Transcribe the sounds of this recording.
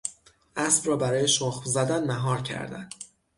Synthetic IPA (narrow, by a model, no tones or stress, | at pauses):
ʔæsb̥rɒːbæɾɒːje̞ʃoxzæd̪ænmæɦɒːɾcʰæ̰ɾd̪æ̰n̥